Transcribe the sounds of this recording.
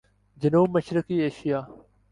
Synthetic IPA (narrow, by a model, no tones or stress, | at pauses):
d͡ʑənuːbməʃɾɪkiːeːʃijaː